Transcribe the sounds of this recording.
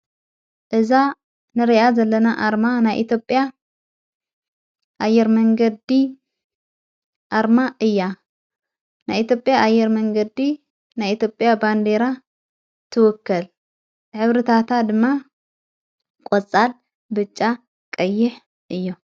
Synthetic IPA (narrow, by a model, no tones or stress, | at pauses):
ʔɨza | nɨɾiʔazɐlːɐnaʔaɾmanajʔḭt̪ʰjo̞pʼja | ʔajːɛɾmɐŋɡɐd̪i | ʔaɾmaʔɨjːa | najit̪jo̞pʼjaʔːjːɛɾmɐŋɡɐd̪i | najit̪ʰjo̞pʼjaband̪eɾa | t̪ʰɨwʊkʰːɐl | ħɨβɾɨt̪ʰat̪ʰad̪ɨmːa | kʼot͡sʼːal | bɨt͡ʃʼːa | kʼɐjːɪħ | ʔɨjːo